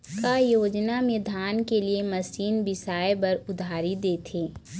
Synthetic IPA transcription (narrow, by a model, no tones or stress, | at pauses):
kaːjoːd͡ʒnamẽd̪ʱaːnkeliemɐsiːnbɪsaːebɐɾʊd̪ʱaːɾid̪eːt̪ʰeː